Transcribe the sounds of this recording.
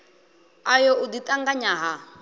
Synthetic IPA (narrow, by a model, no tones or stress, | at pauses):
ajɔʔʊditʼaŋɡaɲaɦa